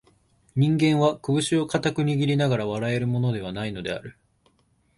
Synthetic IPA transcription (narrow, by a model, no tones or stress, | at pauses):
ɲ̟ĩŋɡẽ̞ɰ̃βakɯ̟bɯ̟ɕio̞kat̪akɯ̟ɲ̟iɡʲiɾʲinaɡaɾaβaɾae̞ɾɯ̟mo̞no̞d̪e̞β̞anaino̞d̪e̞a̰ɾɯ̟